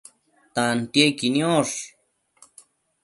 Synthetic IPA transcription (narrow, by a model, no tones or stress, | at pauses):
t̪ant̪jekinjoʂ